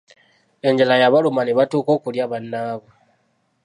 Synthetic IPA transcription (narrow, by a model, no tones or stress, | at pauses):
e̞ɲd͡ʒalajaβalumaneβatuːko̞ːkuljaβanːaːβo